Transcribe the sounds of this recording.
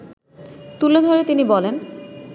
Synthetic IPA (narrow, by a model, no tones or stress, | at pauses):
t̪uled̪ʱoɾet̪inibɔlen